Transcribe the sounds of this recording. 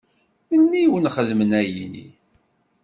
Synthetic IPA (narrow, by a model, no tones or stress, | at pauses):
mənːiwənχəðmənæjinḭ